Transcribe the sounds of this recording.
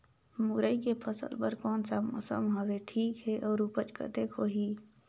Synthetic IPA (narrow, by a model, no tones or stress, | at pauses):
mʊɾəikepʰəsə̰lpəɾkɔːnsamsə̰mɦəweʈʰiːkɦɛʔɔːɾupət͡ʃkə̰t̪ekʰoːɦiː